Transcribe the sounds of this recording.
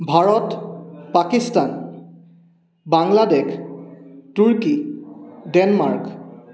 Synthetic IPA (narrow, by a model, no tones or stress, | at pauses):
bʱaɹɔtpakistan | baŋladɛkʰ | tuɹki | dɛnmaɹk